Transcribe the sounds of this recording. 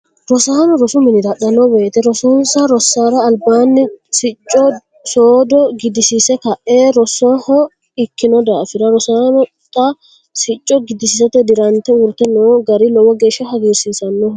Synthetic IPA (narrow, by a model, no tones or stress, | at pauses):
ɾɔsaːnɔɾɔsʊmɪnɪd̪ɐɗɐnːɔbeːt̪ɛɾɔsɔnsɐɾɔsːaːɾɐːlbaːnːɪsɪt͡ʃʼːɔ | soːd̪ɔɡɪd̪ɪsisɛkɐʔeːɾɔsɔhɔ | ɪkːɪnɔd̪aːfɪd̪ɐɾɔsaːnɔ | t̪ːɐ | sɪt͡ʃʼːɔɡɪd̪ɪsɪsɐt̪ɛd̪ɪɾɐnt̪ɛʊɾt̪ɛnoːɡɐɾɪlɔwɔɡe̞ːʃːɐhɐɡeːsiːsɐnːɔ